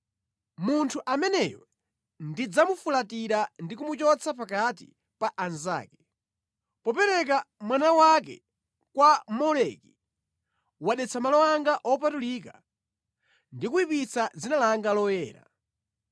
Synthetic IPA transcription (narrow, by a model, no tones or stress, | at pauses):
muntʰuʔamɛnɛjɔ | ndid͡zamufulatiɾandikumut͡ʃɔt͡sʰap̬akatḭ | paʔanza̰ːkɛ̥ | pɔpɛɾɛk̬amwanawak̬ɛ̰ | kwamɔlɛki | waɗɛt͡sʰamalɔwaŋɡaʔɔpatulika | ndikuipit͡sad͡zinalaŋɡalɔjɛ̰ːɾa̰